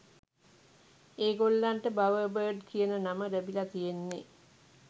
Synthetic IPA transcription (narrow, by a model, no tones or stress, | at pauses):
eːɡolːaɳʈəbaʋəbəːɖkijənənaməɾəbilat̪ijenːe